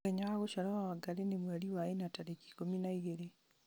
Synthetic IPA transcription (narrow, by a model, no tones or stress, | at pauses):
ɛɲaaɣoʃalɔawaɡaɾenemwaɾiwaenataɾeki̥kominaiɣeɾe